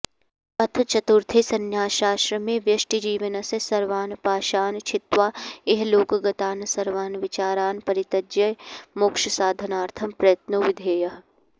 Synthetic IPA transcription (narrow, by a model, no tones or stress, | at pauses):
ɐt̪ʰt͡ʃɐt̪uɾt̪ʰesɐnjaːʃaːsɾɐmẽʋjɐʃʈid͡ʒiːʋənɐsesɐɾʋaːnpaːʃaːnt͡ʃʰɪt̪ʋaːeɦloːkɡɐt̪aːnsɐɾʋaːnʋɪt͡ʃaːɾaːnpɐɾɪt̪ɐd͡ʒjɐjmʊkʃsaːd̪ʱɐnaːɾt̪ʰɐmpɾɐjət̪noːʋɪd̪ʱeːjɐɦ